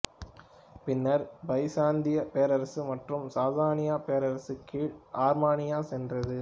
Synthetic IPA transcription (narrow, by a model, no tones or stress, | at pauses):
pɪnːɐɾbɐɪsaːnd̪ɪjɐpeːɐɾɐɾɐsɯmɐʈrɯmsaːðaːɾɐnɪjaːpeːɾɐɾɐsɯkːiːɭʔaːɾmaːnɪjaːsɛndrɐðɯ